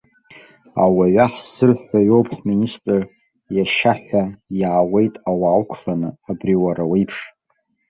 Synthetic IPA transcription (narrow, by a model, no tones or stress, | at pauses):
a̰waɥaħsɨrħaɥowpʰħministʼɨr | jaʃaħʷajaːwe̞jtʼawaːwkʷʰlanɨ̰abriwaɾawejpʰʂ